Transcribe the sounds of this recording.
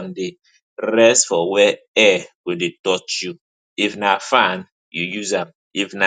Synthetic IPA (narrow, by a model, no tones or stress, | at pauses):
nde | ɾɛstfɔwɛ | ɛwidetɔt͡ʃju | ifnafãn | jujuzãm | ifna